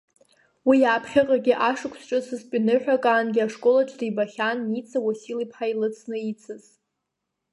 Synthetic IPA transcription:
wijaːpʰχʲɪqʼaɡʲɪʔaʂɨkʷʰsʈ͡ʂʼɨsɨzpʲʼinɨħᶣakʼaːnɡʲɪaʂkʼo̞laʈ͡ʂʰʼdibaχʲanit͡sʰawasilipʰħailɨt͡sʰnɨit͡sʰɨz

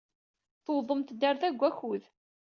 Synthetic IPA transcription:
θwðˤəmt̪d̪æɾθæɡʷːæçuð

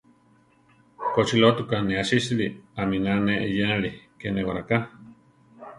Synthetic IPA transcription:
kot͡ʃilot̪ukaneaʃisliaminaneʔjenlikenewaɾaka

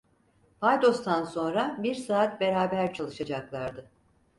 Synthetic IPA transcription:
pʰajd̪o̞st̪ʰanso̞nɾabiɾsaːt̪̚be̞ɾaːbæɾt͡ʃʰalˠɯʃad͡ʒaklˠaɾd̪ɯ

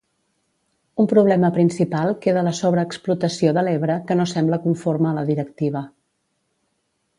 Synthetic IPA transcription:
umpɾuβlɛməpɾinsipalˠkeðələsoβɾəːksplut̪əsioðəleβ̞ɾəkənosɛmbləkuɱforməːləðiɾəkt̪iβ̞ə

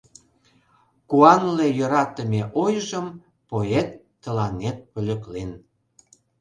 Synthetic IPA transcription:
kuɑnlejə̆ɾɑt̪əmeʔojʒəm | poet̪ːə̆lɑnet̪̚pø̆lʲə̆klen

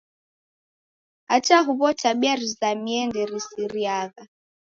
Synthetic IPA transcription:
at͡ʃaɦuβɔt͡ʃaɓiaɾizamiɛndɛɾisiɾiaɣa

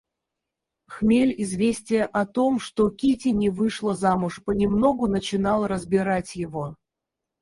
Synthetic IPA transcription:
xmʲelʲɪzvʲesʲtʲɪjəʔɐt̪o̞mʂt̪o̞kʲitʲɪnʲɪvɨʂlˠəzamʊʂpənʲɪmno̞ɡʊnət͡ɕɪnɑlˠrəzbʲɪɾatʲjɪvo̞

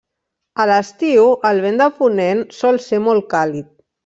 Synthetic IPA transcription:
ələst̪iwəlˠβend̪əpunensɔlˠsemɔlˠkalit̪̚

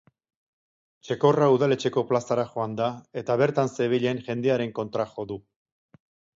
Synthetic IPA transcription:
t͡ʃe̞ko̞rauðale̞t͡ʃe̞ko̞plasaɾaxo̞and̪ae̞t̪aβ̞e̞ɾt̪anse̞β̞eʎe̞nʝe̞nd̪eaɾe̞ŋko̞nt̪ɾaxo̞ðu

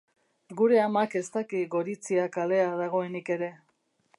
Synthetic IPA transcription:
ɡuɾe̞amake̞st̪akiɡo̞ɾit͡siakale̞aðaɣo̞e̞nike̞ɾe̞

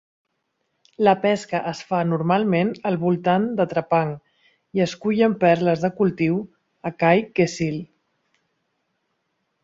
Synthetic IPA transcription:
ləpɛskəʔəsfanuɾmalˠmenəlˠβulˠt̪and̪ət̪ɾəpaŋ | iəskuʎəmpɛɾləzðəkulˠt̪iw | əkajkesil

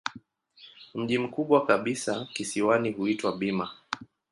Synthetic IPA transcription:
m̩ʄim̩kuɓwakaɓisakisiwanihuitwaɓima

